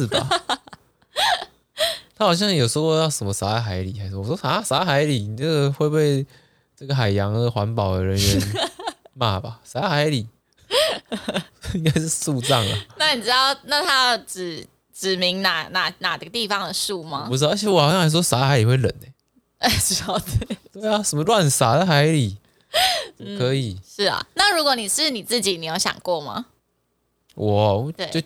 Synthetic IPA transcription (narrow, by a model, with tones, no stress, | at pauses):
ʂ̩˥˩ba˨˩ | t̪ʰa˥xɑ˨˩ʊɕ̬jɑ˥˩ŋjo˨˩ʂə˧xo˧jɑ˥˩ʊʂə˨˩mə˧˦sa˧˥a˥˩ɪxa˧˥ɪlḭ˨˩a˧˦˥wwɔ˥a˧˦˥sa˧˦˥xa˧˥ɪli˨˩i˨na˥˩ɡə˨xwe˥˧ɪpe˥˧ɪ | ʈ͡ʂə˥˩ɡə˩xa˨˩ɪjɑ˧˦ŋə˧xwa˧˥npɑ˨˩ʊd̪ə˩ɻə˧˦nɥɛ˧˦nnma̰˥˩ba˩sa˧˥xa˧˥ɪli˨˩ | i˥ŋka˥ɪʂɻ̩˥˧su˥˧t͡sɑ˥˩ŋə˨˩na˥˩ni˨˩ʈ͡ʂɻ̩˧˥t̪ɑ˥˩ʊna˥˩t̪ʰa˥jʈ͡ʂ̩˨˩˦ | ʈ͡ʂɻ̩˨˩mi˧˦ŋna˨˩˦na˨˩na˨˩d̪ə˧t̪i˥˧˩fɑ˦ŋd̪ə˨ʂu˥˩ma˦u˧˥˧t͡ɕʰjɛ˧˥wɔ˨˩xɑ˨˩jɑ˥˧˥ʂwɔ˥sa˧˥˧xa˧˥ɪli˨˩xwe˥˩ɪlə̰˨˩ne˦ | ɛ˧˩ʂ̩˥˩˧t̪we˥˩t̪we˥˩ɪa˨sə˨˩mə˦lwa˥˨nsa˨˩˦d̪ə˨˧xa˧˥˦ɪli˨˩˥ | kʰɤ˨˧˦i˨˩ʂɻ̩˥˩ɐ̰˩na˥˨ɻu˧˥kwɔ˧˦ni˨˩ʂɻ̩˥˩ni˨˩t͡sɹ̩˥˩t͡ɕi˨˦ni˨˩jo˥˩ʊɕjɑ̰˨˩ŋkwɔ˥˨ma̰˩˦ | wʔɔ˨˩t͡ɕ̪t̪we˥˩jo˥˧ʊ